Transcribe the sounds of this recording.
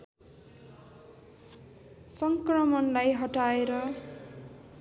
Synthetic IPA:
sʌŋkrʌmʌnlajɦʌʈaeɾʌ

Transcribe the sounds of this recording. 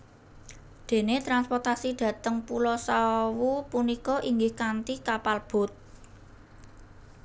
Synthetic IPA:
d̪̥e̤net̪ɾanspɔrt̪asid̥ä̤t̪əŋpulɔsawupunikɔʔiŋɡɪhkant̪ikapalb̥ʊ̤t̪̚

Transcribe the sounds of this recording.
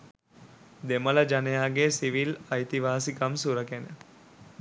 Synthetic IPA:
d̪emələd͡ʒanejaːɡesiʋilɐjt̪iʋaːsikamsuɾəkenə

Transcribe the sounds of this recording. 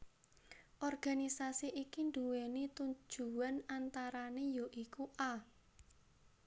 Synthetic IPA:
ʔɔrɡ̥a̤nisasiʔikind̪uwenit̪uɲ̥d͡ʒ̥uwanant̪aɾanejɔʔikuʔa

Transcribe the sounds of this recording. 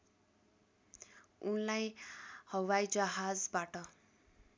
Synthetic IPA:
unlajhʌwajd͡zʌɦad͡zbaʈʌ

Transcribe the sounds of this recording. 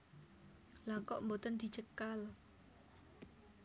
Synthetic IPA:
lakɔʔmbot̪ənd̪̥i̤t͡ʃəkal

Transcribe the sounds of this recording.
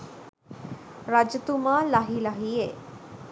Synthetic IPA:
ɾad͡ʑət̪umalaɦilaɦie

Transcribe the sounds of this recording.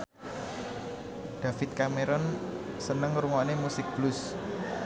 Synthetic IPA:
d̥ä̤fɪt̪̚kameɾɔn | sənəŋɾuŋɔnemusɪk̚b̥lʊs

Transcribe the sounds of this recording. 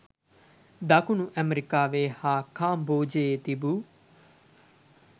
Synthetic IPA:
d̪aːkunũːʔɛmɾikaːʋeːhaːkʰãːmboːd͡ʒeːt̪ibuː

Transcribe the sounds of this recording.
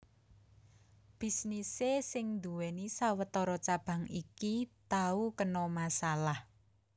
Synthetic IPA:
b̥i̤snisesɪŋnd̪uwenisawət̪ɔɾɔt͡ʃab̥a̤ŋikit̪aukənɔmasalah

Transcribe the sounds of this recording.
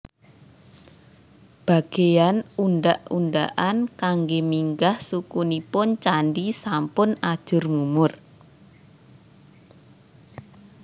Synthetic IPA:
b̥a̤ɡ̥ejanunɖaʔunɖaʔankaŋɡemiŋɡahsukunipʊnt͡ʃanɖisampʊnad̥ʒ̥ʊ̤rmumʊr

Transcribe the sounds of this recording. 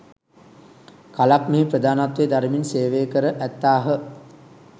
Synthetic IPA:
kalakmeːprəd̪aːnat̪ʋeːd̪aɾəminseːʋeːkəɾəʔæt̪ːaːɦə

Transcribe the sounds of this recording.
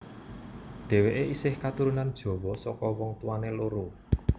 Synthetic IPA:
ɖ̪̥ɛ̤weʔeisɪhkat̪uɾunand̥ʒ̥ɔ̤wɔsɔkɔwɔŋt̪uwaneloɾu

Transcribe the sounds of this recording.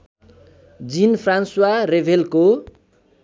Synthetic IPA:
d͡zinpʰranswarebʱelko

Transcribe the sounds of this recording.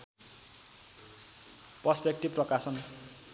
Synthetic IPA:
prʌspek̚ʈib̚pːrʌkasʌn

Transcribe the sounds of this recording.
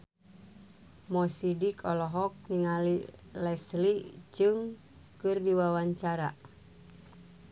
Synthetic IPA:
mɔsidikʰɔlɔɦɔk̚niŋalilɛslid͡ʒɨŋ | kɨrdiwawaɲt͡ʃaɾa

